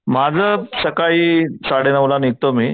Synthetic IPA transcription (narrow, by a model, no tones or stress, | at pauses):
mad͡zʱəːsəkaiːsaɽenəʋlanit̪omiː